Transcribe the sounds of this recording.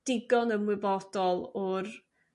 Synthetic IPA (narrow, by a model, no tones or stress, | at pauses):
d̥ɪɡɔnəmwɪbɔd̥ɔlˠʊr